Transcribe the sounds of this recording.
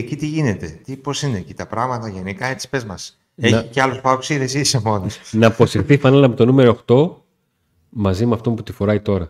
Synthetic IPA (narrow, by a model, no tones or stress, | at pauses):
ecit̪iʝine̞t̪e̞t̪iposinecit̪ɐpɾɐɣmɐt̪ɐʝenikɐet͡si̥pe̞zmɐs | ençɐiceɐlospɐku̥siðesisemo̞nosnɐpo̞sifθifɐnɐlɐpot̪o̞nume̞ɾoxt̪o̞ | mɐzimeɐft̪o̞mput̪ifo̞ɾɐit̪o̞ɾɐ